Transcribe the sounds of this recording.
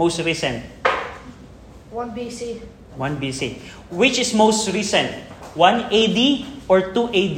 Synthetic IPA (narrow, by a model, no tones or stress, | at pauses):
mowst̪ɹisɛ̃nt̪̚ | wanbisi | wãnbisi | wɪt͡ʃɪsmowst̪ɹisɛ̃nt̪̚wãnejd̪iʔɔɹt̪uʔejd̪